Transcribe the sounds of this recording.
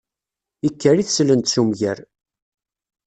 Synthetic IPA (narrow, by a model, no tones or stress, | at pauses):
ikːəɾiθslənt̪sumʝæɾ